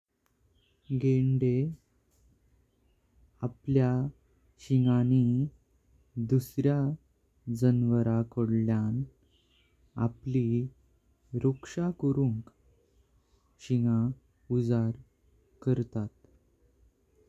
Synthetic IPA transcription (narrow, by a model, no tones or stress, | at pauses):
ɡeɳɖe | aplja | ɕiŋani | d̪usɾja | d͡zənʋəɾakoɽljan | a̰pli | ɾokʂakəɾuŋk | ɕiŋã | ud͡zaɾ | kəɾt̪at̪̚